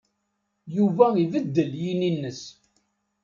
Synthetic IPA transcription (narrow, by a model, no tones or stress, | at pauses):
juvæivəd̪ːəljininːəs